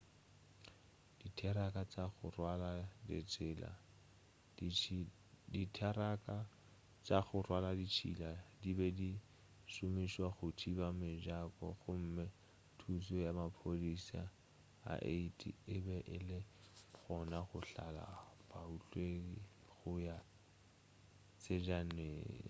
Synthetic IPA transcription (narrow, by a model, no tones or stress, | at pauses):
d̥itʰɛɾakʼat͡sʼaχʊ̰rwaladɪ̰t͡sʼɪːla̰ | ditʰaɾakʼa | t͡saχʊrwaladit͡ʃʰḭladibɛdi | sʊmiʃwaχʊtʰibamɪʒakʼɔ̰χʊm̩mɛ | tʰus̬ɔjamapʰolisa̰ | a̰ʔḛitʼḭɪbɛʔɪlɪ | ɣɔnaχʊɬala̰pauɬwei | ɣʊja | t͡sʼed͡ʒanweːŋ̰